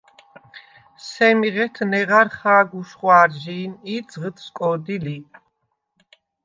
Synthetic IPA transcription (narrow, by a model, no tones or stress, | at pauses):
sɛmiʁɛt̪ʰnɛʁaɾχaːɡuʃχwaːɾʒiːnid̪zʁət̪ʰskʼɔd̪ili